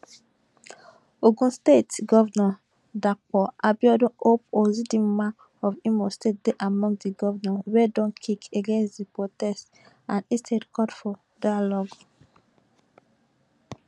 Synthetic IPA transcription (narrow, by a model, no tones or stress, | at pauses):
oɡũnstetɡɔvnɔ̃ | dak͡pɔʔabjɔdɔ̃op̚ozidĩmmã | ɔvimɔstet̚deʔamɔ̃ŋɡdiɡɔvnɔ̃wedɔ̃nkʰikeɡẽnsdipɹotɛst | ãnistʰedkɔdfɔ | dajalɔɡ